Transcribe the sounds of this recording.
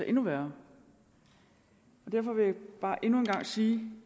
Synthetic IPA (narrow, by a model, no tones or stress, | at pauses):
æʔe̝nuʋæːɐ | ɒ̽d̥æɐ̰fɒ̽ʋe̝jab̥ɑ̈ːʔe̝nue̝nɡ̥ɑ̈ŋ̰siː